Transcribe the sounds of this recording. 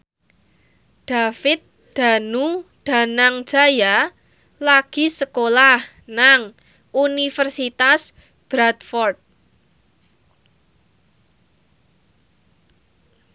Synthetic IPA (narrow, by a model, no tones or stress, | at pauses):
d̪̥a̤fɪt̪̚ | d̪̥a̤nud̪̥a̤naŋd̥d͡ʒ̥a̤ja | laɡ̥i̤səkolah | naŋ | unifərsit̪as | b̥ɾat̪fɔrt̪̚